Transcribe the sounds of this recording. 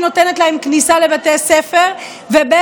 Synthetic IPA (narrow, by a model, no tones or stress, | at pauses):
no̞tenetlahemknisale̞vatesefe̞ʁ | vebe